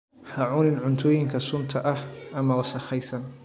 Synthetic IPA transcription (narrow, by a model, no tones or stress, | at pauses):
hɐʕʊnɪnʕʊnt̪ʰɔːjɪŋkʰɐsʊnt̪ʰɐʔɐhʔɐmɐwɑsɐχɛjsɐn